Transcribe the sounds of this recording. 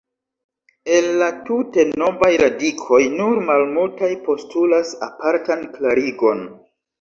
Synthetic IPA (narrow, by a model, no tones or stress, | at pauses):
e̞lːatute̞no̞vajɾadikʰo̞jnuɾmalmultajpo̞stulasa̰paɾtanklaɾiɡo̞n